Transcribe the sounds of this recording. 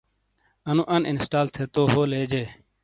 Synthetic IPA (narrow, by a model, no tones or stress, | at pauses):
ənũːʔɐnʔɪ̰nsʈaːlt̪ʰeːt̪oːɦoːleːd͡ʑeː